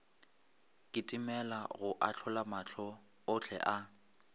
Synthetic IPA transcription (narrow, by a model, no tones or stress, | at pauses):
kʼɪtʼimɛlaɣʊʔat͡ɬʰɔlamat͡ɬʰɔ | ʊt͡ɬʰɛ̰ʔa